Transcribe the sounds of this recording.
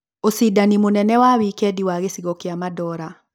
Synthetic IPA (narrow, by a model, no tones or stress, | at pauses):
osidanimonɛnɛwawikɛdiwaɣesiɣɔkeamadɔɾa